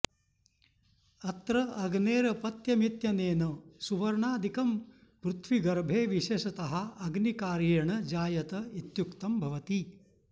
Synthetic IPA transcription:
ɐt̪ɾɐɐɡneːɾɐpɐt̪jɐmit̪jɐneːnɐsuʋɐɾɳaːd̪ʱikɐm | pɾut̪ʰʋiɡɐɾbʱeːʋiʃeːʃɐt̪ɐɦɐ̆ɐɡnikaːɾjeːɳɐd͡ʒaːjɐt̪ɐit̪jukt̪ɐmbʱɐʋɐt̪i

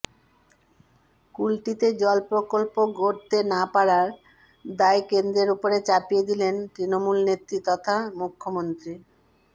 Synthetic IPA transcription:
kulʈit̪ed͡ʑɔlpɾokolpoɡoɾt̪enapaɾaɾ | d̪aekend̪ɾeɾupoɾet͡ɕapijed̪ilent̪ɾinomulnet̪ːɾit̪ɔt̪ʰamukʰːomont̪ɾi

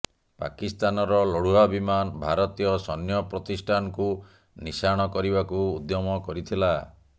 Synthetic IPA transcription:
pa̰kist̪anɔɾɔloɽuabimanbʱaɾɔt̪ijɔsɔnjɔpɾɔt̪isʈʰanɔku | nisaɽ̃ɔkɔɾibakuːd̪jɔmɔkɔɾit̪ʰila

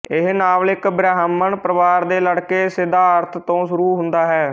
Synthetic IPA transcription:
ɪɦnaːlɪkbɾɛːɦmːəɳpɾəʋaːɾd̪eːləɽkeːsɪd̪aːəɾt̪ʰt̪õːsʊɾuːɦʊ̃nd̪aːɦɛː

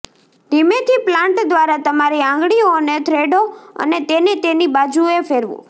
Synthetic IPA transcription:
d̪imet̪ʰiplãɳʈd̪ʋaɾat̪əmaɾiãŋɡɽionet̪ʰɾeɖoə̰net̪enet̪enibad͡ʒuefeɾʋṵ̃

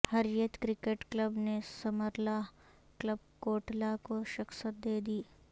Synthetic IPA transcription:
hɐɾjət̪kɾɪkeːʈklɐbnesɐməɾlaɦ | kləb̚koːʈlakoʃɐksət̪̚d̪eːd̪iː

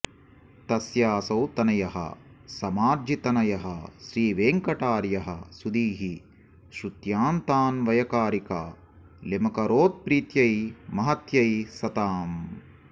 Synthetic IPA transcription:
t̪ɐsjaːsɐwt̪ɐnɐjɐɦɐ̰ | sɐmaːɾd͡ʒit̪ɐnɐjɐɦɐʃɾiːʋeːŋkɐʈaːɾjɐɦɐ̰̆sud̪iːɦi | ʃɾut̪jaːnt̪aːnʋɐjɐkaːɾika̰ː | lemɐkɐɾoːt̪̚pɾiːt̪jɐjmɐɦɐt̪jɐjsɐt̪aːm

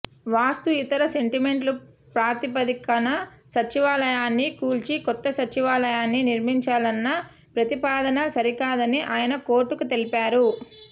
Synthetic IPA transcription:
ʋaːst̪uit̪ɐɾɐse̞ɳʈime̞ɳʈlu | pɾaːt̪ip̬ɐd̪ikɐnɐsɐt͡ʃːiʋaːlɐjaːnːikuːlt͡ʃikɔt̪ːɐsɐt͡ʃiʋaːlɐjaːnːiniɾmiɲt͡ʃaːlɐnːɐ | pɾɐt̪ipaːd̪ɐnɐsɐɾikaːd̪ɐniʔaːjɐnɐko̞ːɾʈːukut̪e̞lipaːɾu

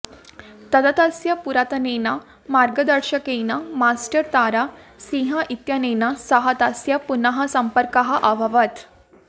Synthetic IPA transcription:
t̪əd̪at̪asjapuɾat̪ənena | maɾɡəd̪əɾɕəkejnamasʈəɾt̪aɾasĩɦaʔit̪janenasəɦat̪asjapunaɦasəmpəɾkaɦaʔaʋʱaʋət̪

